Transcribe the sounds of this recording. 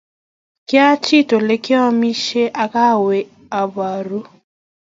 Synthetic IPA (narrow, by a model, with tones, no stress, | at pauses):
kɪ˦a˦t͡ʃi˦˨to˨le˦kɪ˦ɔ˦mi˦ʃe˦ʔa˨ka˦˨we˨ | a˨ba˨ɾu˦